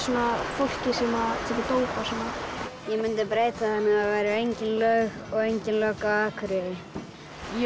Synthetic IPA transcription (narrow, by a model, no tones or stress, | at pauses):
sunːafol̥cɪsimat̪ʰɛkɪt̪owpasɛnajɛmʏnt̪ɪpɾeːjt̪aθanːɪavajɾɪejɲcɪnlœɣ | ɔɣejɲcɪnlœkaaːkʰʏɾɪðɪ